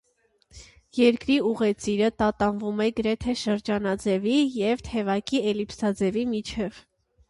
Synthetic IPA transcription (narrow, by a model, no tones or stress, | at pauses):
jɛɾkɾiuʁɛt͡siɾət̪ɑt̪ɑnvumɛɡəɾɛt̪ʰɛʃəɾd͡ʒɑnɑd͡zɛvijɛvt̪ʰɛvɑkiɛlipsɑd͡zɛvimit͡ʃʰɛv